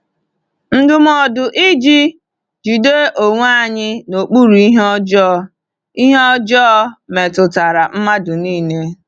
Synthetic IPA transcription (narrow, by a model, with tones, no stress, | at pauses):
n̩˦dʊ˨m˦ɔ˨dʊ˨ʔi˦d͡ʒi˦ | d͡ʒi˨de˦ʔo˨ŋʷ˦a˦˨ɲɪ˦no˨k͡pu˦ɾu˨i˦ɦɔ˦d͡ʒɔ˦ | i˦ɦɔ˦d͡ʒɔː˦me˨tʊ˨ta˨ɾa˨m̩˦ma˦dʊ˨niː˦˨ne˦